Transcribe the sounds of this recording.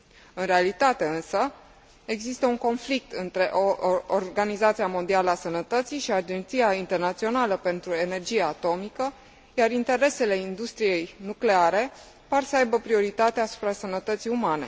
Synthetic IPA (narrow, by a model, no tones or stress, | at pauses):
ɨnre̞alit̪at̪e̞ɨnsə | e̞ɡzist̪əuŋko̞nflik̚t̪ɨnt̪ɾe̞ʔoorɡanizat̪siamo̞nd̪ialəasənət̪ət̪sijʃiad͡ʒe̞nt̪sijaint̪e̞rnat̪sio̞naləpe̞nt̪ɾue̞ne̞rd͡ʒijaat̪o̞mikə | jaɾint̪e̞ɾe̞se̞le̞ind̪ust̪ɾije̞jnukle̞aɾe̞ | parsəajbəpɾio̞ɾit̪at̪easu̥pɾasənət̪ət̪sijumane̞̰